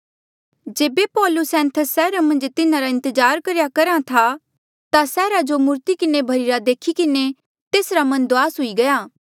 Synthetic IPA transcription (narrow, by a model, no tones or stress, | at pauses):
d͡ʒeːbepɔːlʊsɛ̃ːnt̪ʰəsɛːɾamɐ̃nd͡ʒt̪ɪnãɾaɪ̃nt̪əd͡ʒaːɾkɐɾjakɐɾat̪ʰa | t̪asɛːɾad͡ʒomʊɾt̪ikɪnebʱɐɾiɾad̪eːkʰikɪne | t̪eːsɾamɐ̃nd̪oaːsɦʊiɡɐjaː